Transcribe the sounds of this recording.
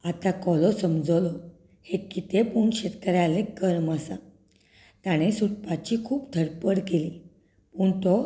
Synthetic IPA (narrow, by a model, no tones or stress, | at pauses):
at̪akɔlɔsəmd͡zɔlɔ | hekːit̪epuːɳɕet̪kəɾjalekəɾməsa | t̪jaɽ̃esuʈpat͡ɕikʰuːpd̪ʱəɾpəɽkeliː | puːɳt̪ɔ